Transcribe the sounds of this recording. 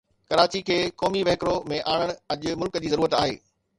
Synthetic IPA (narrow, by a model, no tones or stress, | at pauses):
kɐɾaːt͡ɕikʰeːkɔːmiʋɐɦɪkɾomẽʔaːɽ̃əɽ̃̆ɐʄʊmʊlkd͡ʑiːzɐɾuːɾət̪aːɦḛː